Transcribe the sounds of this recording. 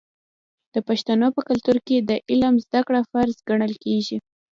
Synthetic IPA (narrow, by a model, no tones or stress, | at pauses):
d̪̥əpaʃt̪anopəkalt̪uɾked̪əʔɪlamzd̪akɽafaɾzɡaɳəlkeʒi